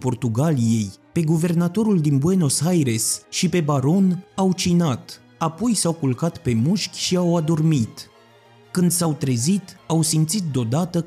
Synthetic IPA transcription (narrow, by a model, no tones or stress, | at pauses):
po̞rt̪uɡalije̞jpe̞ɡuve̞rnat̪o̞ɾuld̪inbweno̞sajɾe̞sʃipe̞baɾo̞nawt͡ʃinat̪ | apo̞jsawkulkat̪pe̞muʃkʲʃiawad̪o̞rmit̪ | kɨnd̪sawt̪ɾe̞zit̪awsimt̪sit̪̚d̪eo̞d̪at̪ə